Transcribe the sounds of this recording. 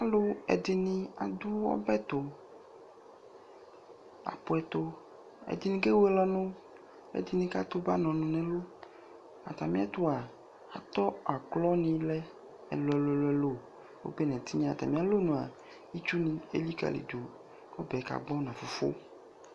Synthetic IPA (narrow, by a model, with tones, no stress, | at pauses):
a˨lo˦ɛ̰˨dɪ˨nĩ˦a˨d̪u˦wɔ̰˦bɛ˦t̪o˨ | a̰˨po˨ɛ˨t̪o˦ | ɛ̰˨d̪i˨nĩ˦ke˦wo˦e˦lɔ˦nõ˦ | ɛ̰˨d̪i˨nĩ˦ka˦t̪o˦ba˦nɔ̃˨nũ˨nɛ̃˨lo˦ | a˨t̪a˨mĩ˦a˦t̪o˦a˨ | a˨t̪ɔ˦a˨klɔ˦nĩ˦lɛ˦ | ɛ̰˨lo˨ɛ˨lo˨ɛ˦lo˦ɛ˦lo˦˨ | wo̰˦be˦nɛ̃˨t̪i˦ɲã˦a˨t̪a̰˨mĩ˦a˨lo˦nũ˨a̰˨ | i˦t͡ʃu˦nĩ˨ḛ˦li˦ka̰˨lḭ˨do˨ | kɔ˦bɛ˨˦ka̰˨ɡ͡bɔ˦nã˨fo˨fo̰˦